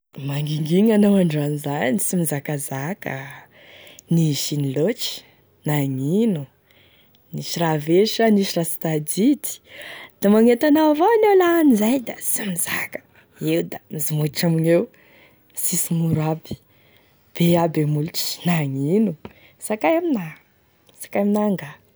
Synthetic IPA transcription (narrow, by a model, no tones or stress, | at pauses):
maŋɡiŋɡiŋanawaɳɖ͡ʐanzaisimizakazakə | niʃinilot͡ʃi̥ | naŋinu | niʃiraveʃaniʃirasi̥t̪ad̪it̪i̥d̪̥amaŋet̪anavoanelanizajd̪asimizakə̥ | ewd̪amizimuʈ͡ʂaminew | sisimuɾabi̥ | b̥eabemuluʈ͡ʂi̥naŋinu | sakajamina | sḁkajaminaŋɡa